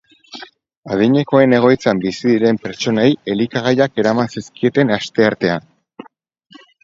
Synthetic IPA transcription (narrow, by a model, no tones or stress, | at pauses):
að̞iɲe̞ko̞e̞ne̞ɣ̞o̞jt͡sambisiðiɾe̞mpe̞ɾt͡ʃo̞naje̞likaɣ̞ajake̞ɾamansiskie̞t̪e̞nast̪e̞aɾt̪e̞an